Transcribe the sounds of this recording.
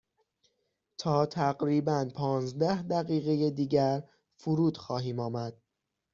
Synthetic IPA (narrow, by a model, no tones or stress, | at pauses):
t̪ʰɒːt̪ʰæɢɾiːbænpʰɒːnzd̪æhd̪æɣiːɣejed̪iːɟæɾ | fuɾuːd̪̥xɒːɦiːmɒːmæd̪̥̚